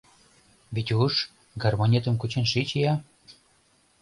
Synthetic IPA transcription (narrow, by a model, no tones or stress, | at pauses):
βet̪ʲuʃ | ɡarmonʲet̪ə̆mkut͡ɕenʃit͡ɕijɑ